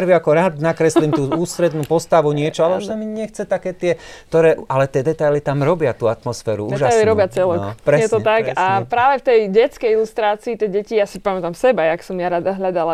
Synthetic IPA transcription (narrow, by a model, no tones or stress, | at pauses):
ɾʋiakɔɾaːd̪nakɾɛslimt̪uːuːst̪ɾɛd̪nuːpɔst̪aʋuɲɪɛt͡ʃɔalɛuʃamiɲɛxt͡sɛt̪akɛːt̪ɪɛkt̪ɔɾɛːʔʔalɛt̪ɪɛd̪ɛt̪ajlit̪amɾɔbɪat̪uːat̪mɔsfɛːɾṵuːɛːʒaajliɾɔbat͡sɛlɔkpɾɛjɛt̪ɔt̪akapɾaːʋɛft̪ɛjɟɛt͡skɛjilust̪ɾaːt͡siːt̪ɛjɟɛcijaːsipamɛt̪amsɛbajaksɔmjaɾad̪aɦʎad̪ala